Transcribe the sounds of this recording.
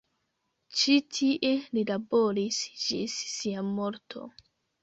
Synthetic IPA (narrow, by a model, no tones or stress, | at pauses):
t͡ʃitʰiʔelilabo̞ɾisd͡ʒisːiamoɾtʰo̞̰